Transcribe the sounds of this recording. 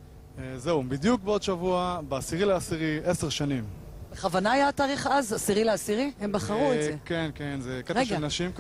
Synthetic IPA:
ezeubid̪juk̚beo̞d̪ʃavuabeasiʁileasiʁieseʁʃanim | b̥eχavanaːjataːʁiχazasiʁileasiʁiembaχaʁuezekenkenzekeaʃelnaʃimk

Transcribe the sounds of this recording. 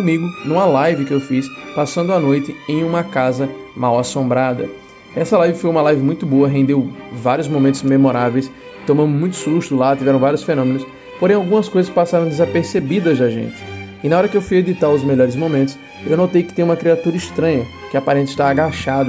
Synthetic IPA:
amiɡʊnũw̃alajvɪkɪewfispasɐ̃nd̪ʊanojt̪ɪẽj̃ũmɐkazɐmawasõmbɾad̪ɐ̰ | ɛsɐlajvɪfojũmɐlajvɪmũj̃t̪ʊboɐɦẽnd̪ewvaɾjʊzmõmẽnt̪ʊzmemoɾavejs | t̪õmɐ̃d̪ʊmũj̃t̪ʊ̥suʃt̪ʊlat̪ivɛɾɐ̃w̃vaɾjʊsfenõmẽnʊs | poɾẽj̃awɡũmɐskojzɐskɪpasaɾɐ̃w̃d̪ɪzapeɾsebid̪ɐzd̪aʒḛ̃nt͡ʃɪ̥ | ɪnaɔɾɐkɪewfujed̪it̪aɾʊzmeʎɔɾɪzmõmẽnt̪ʊ̥s | ḛwnot̪ejkɪ̥t̪ẽj̃ũmɐkɾiat̪uɾɐiʃt̪ɾɐ̃ɲɐ | kɪapaɾẽnt̪ɪʃt̪aaɡaʃad̪ɐ

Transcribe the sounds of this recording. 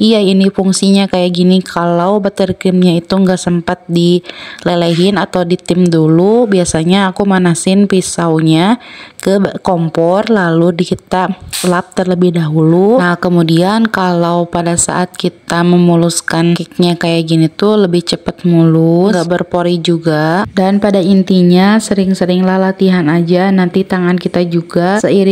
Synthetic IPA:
ijainifuŋsiɲakajaɡinikʰalawbat̪ərkɾɪmɲait̪uŋɡaʔsəmpat̪̚dileleɦɪnat̪awdit̪ɪmdulubiasaɲaːkumanasɪnpisawɲakəkɔmpɔrlaludikit̪alap̚t̪ərləbɪhdaɦuluakəmudiankalawpadasa̰ʔat̪̚kit̪aməmuluskankɪk̚ɲakajaɡinit̪uləbɪht͡ʃəpət̪̚muluabərpoɾid͡ʒuɡadanpadaint̪iɲasəɾɪŋsəɾɪŋlahlat̪iɦanad͡ʒanant̪it̪aŋankit̪ad͡ʒuɡasəiɾɪ

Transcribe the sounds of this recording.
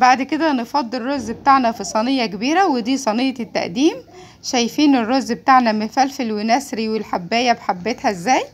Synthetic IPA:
baʕd̪ked̪ænefɑd̪ˤːerːoʔzːbet̪aʕnæfisˤɑnejːækebiːɾæwed̪iːsˤɑnejːɑt̪ːa̰ʔd̪iːm | ʃæjfiːnerːozːbet̪aʕnæmefæːlfelwenæsɾiwelħabːæːjæbħabːet̪hæezːæːj

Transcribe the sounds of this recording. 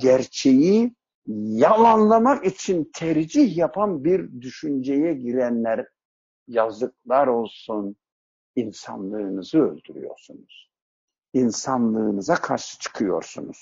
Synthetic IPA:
ɟæɾt͡ʃʰe̞ji | jalˠanlˠamakit͡ʃʰint̪ʰæɾd͡ʒihjapʰanbiɾd̪yʃynd͡ʒɛjɛɟiɾænlʲæɾ | jazd̪ɯk̚lˠaɾo̞lˠsun | insa̰nlˠɯːnɯzɯø̰lʲd̪yɾy̰jo̞̰ɾsunuz̥ | insanlˠɯːnɯzakʰaɾʃɯ̥t͡ʃʰɯ̥kʰɯjo̞̰ɾsṵnuz̥

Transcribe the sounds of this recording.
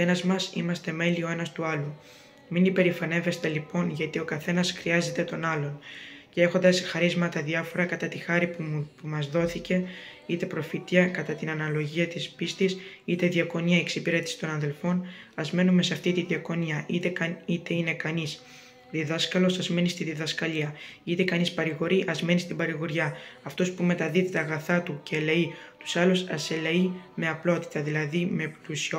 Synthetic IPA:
enɐzmɐsḭmɐst̪e̞me̞lio̞e̞nɐst̪uɐlu | minipe̞ɾifɐne̞ve̞st̪e̞lipo̞nʝɐt̪io̞kɐθe̞nɐsxɾiɐze̞t̪e̞t̪o̞nɐlo̞ncee̞xo̞nd̪ɐsexɐɾizmɐt̪ɐðiɐfo̞ɾɐkɐt̪ɐt̪ixɐɾippumɐzðo̞θice̞ | it̪e̞pɾo̞fit̪iɐkɐt̪ɐt̪inɐnɐlo̞ʝiɐt̪ispist̪isit̪e̞ðiɐko̞niɐeksipiɾet̪isi̥t̪o̞nɐnðe̞lfo̞nɐzme̞nume̞seɐft̪it̪iðiɐko̞niɐʔit̪ekɐit̪e̞ine̞kɐnis | ðiðɐskɐlo̞sɐzme̞nist̪iðiðɐskɐʎiɐit̪e̞kɐnispɐɾiɣo̞ɾiʔɐzme̞nist̪ibɐɾiɣoɾʝɐɐft̪o̞spume̞t̪ɐðiðet̪eɐɣɐθɐt̪uceleit̪u̥sɐlusɐseleime̞ɐplo̞t̪i̥t̪ɐðilɐðime̞plusio

